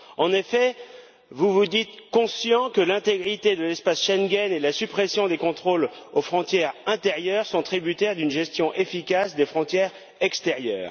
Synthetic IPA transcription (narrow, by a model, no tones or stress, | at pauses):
ɑ̃nefɛ | vuvud̪it̪kɔ̃sjɑ̃kəlɛ̃t̪eɡʁit̪ed̪əlɛspasʃɛŋɡʲɛnelasypχesjɔ̃d̪ekɔ̃t̪χolofχɔ̃t̪jɛʁɛ̃t̪eʁjœʁsɔ̃t̪χibyt̪ɛʁd̪ynʒɛst̪jɔ̃ʔefikasd̪efχɔ̃t̪jɛʁ | ɛkst̪eʁjœ̰ːʁ